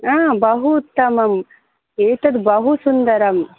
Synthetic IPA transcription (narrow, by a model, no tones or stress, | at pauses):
aːbɐɦut̪ːɐmɐm | eːʈ̪ɐd̪bɐɦusund̪ɐɾɐm